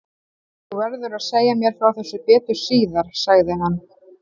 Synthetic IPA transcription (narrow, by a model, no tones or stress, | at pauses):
θuvɛɾðʏɾaðseːjamjɛɾ̥fɾawθɛsːʏpɛːt̪ʏ̥siːðaɾ̥saɣðɪɦanː